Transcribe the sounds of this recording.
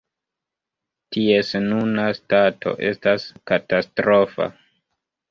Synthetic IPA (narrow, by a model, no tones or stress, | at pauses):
tie̞snunastatʰo̞̰ʔe̞staskatastɾo̞fa̰